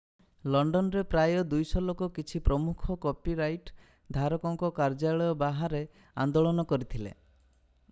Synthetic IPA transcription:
lɔɳɖɔnɔɾepɾajɔd̪ujsɔlokɔkit͡ʃʰipɾɔmukʰɔkɔpiɾajʈ | d̪ʱaɾɔkɔŋkɔkaɾd͡ʒaɭɔjɔbaɦaɾe | and̪oɭɔnɔkɔɾit̪ʰilḛ

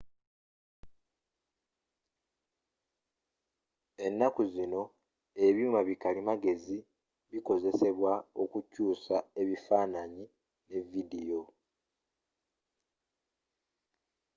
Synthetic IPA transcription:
e̞nːakuzino̞ | e̞βjuːmaβikalimaɡe̞zi | βiko̞ze̞se̞βwao̞kucuːsae̞βifaːnaɲi | ne̞vidijo̞

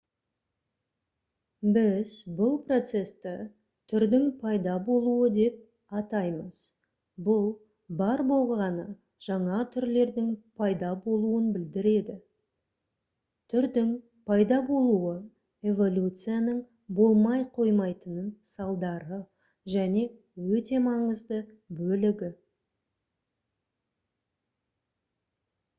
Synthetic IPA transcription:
bɪzbʊlˠpro̞t̪se̞st̪ɪ | t̪ʰʏɾd̪ɪŋpʰɑjd̪ɑbo̞lˠuəd̪e̞p̚ | ɑt̪ɑjməz̥ | bʊlˠ | bɑɾbo̞lˠʁɑnə | ʒ̥ɑɴɑt̪ʰʏɾle̞ɾd̪ɪŋpʰɑjd̪ɑbo̞lˠuənbɪld̪ɪɾe̞d̪ɪ | t̪ʰʏɾd̪ɪŋ | pʰɑjd̪ɑbo̞lˠuə | e̞vo̞lʲut̪sɨjanəɴ | bo̞lˠmɑjqʰo̞jmɑjt̪ənənsɑlˠd̪ɑɾə | ʒæne̞ | wɵt̪e̞mɑɴəzd̪ə | bɵlɪɡʲɪ

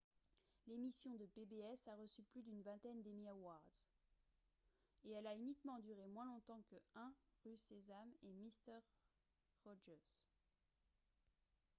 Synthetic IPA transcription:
lemisjɔ̃d̪əpebeɛsaʁəsyplyd̪ynvɛ̃t̪ɛnd̪emiawaʁd̪z | eɛlaynikmɑ̃d̪yʁemwɛ̃lɔ̃t̪ɑ̃kəɛ̃ʁysezamemist̪ɛʁː | ɔʒɛʁs

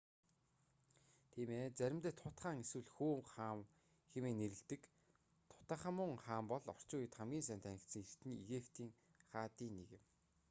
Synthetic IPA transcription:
t̪ʰiːmeːt͡sæɾʲɪ̆mt̪eːt̪ʰʊt̪χaːŋeswɘ̆ɮxuːŋχaːm | xemeːneɾɘ̆ɬt̪ɘ̆k | t̪ʰʊ̥t̪aːχə̆mʊːŋχaːmpɔɮɔr̥t͡ɕʊːjɪ̆t̪χamɡʲiːnsæːnt̪ʰænʲɪ̆kt̪sə̆ŋert̪ɘ̆neɣepʰt̪ʰiːŋ | χaːt̪iːnːeɣɪ̆m

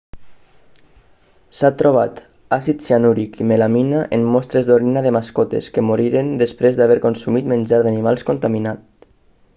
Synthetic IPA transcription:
sat̪ɾoβ̞at̪ | asit̪sianuɾikʰimelaminaʔemmɔst̪ɾezd̪oɾinaðemaskɔt̪ḛskemoɾiɾend̪espɾezd̪aβ̞ɛɾkonsumit̪menʲd͡ʒaɾðanimalˠskont̪aminat̪

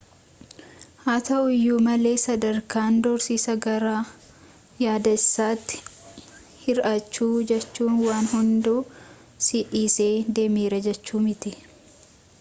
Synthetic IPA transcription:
hɐt̪ɐʊjːuːmɐle̞ːsɐd̪ɐɾkaːnd̪ɔɾsiːsɐɡɐɾaː | jaːd̪ɐsːaːt̪ːɪ̥ | hɪɾʔɐt͡ʃːuːd͡ʒɛt͡ʃːuːnwaːnhʊnd̪oː | sɪʔiːseːd̪e̞miːɾɐd͡ʒɛt͡ʃːuːmɪt̪ɪ

